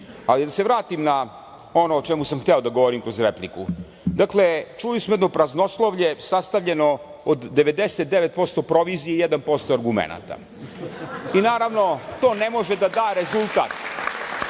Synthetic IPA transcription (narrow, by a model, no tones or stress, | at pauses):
alid̪aseʋɾaːt̪imna | onoːt͡ʃɛmusamxt̪eod̪aɡo̞ʋo̞ɾimkɾo̞zɾepliku | d̪akle̞t͡ʃujusmojed̪nopɾazno̞slˠoʋʎesast̪aʋʎe̞no̞ | od̪ːeʋe̞d̪eset̪̚d̪eʋet̪̚po̞st̪o̞pɾo̞ʋizijeijed̪anpo̞st̪oaɾɡumḛna̰t̪a̰ | inaːɾaʋno̞t̪o̞ːne̞mo̞ʒed̪ad̪aːɾe̞zulˠt̪a̰ːt̪